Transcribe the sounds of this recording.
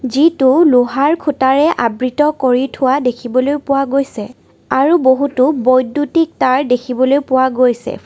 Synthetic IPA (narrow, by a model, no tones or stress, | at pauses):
zitʊlʊɦaɹkʰutaɹɛʔabɹitɔkoɹitʰʊwadekʰibɔlojpʊwaɡojsɛ | aɹuboɦutʊbɔjdːutik̚taɹdekʰibɔlojpʊwaɡojsɛ̰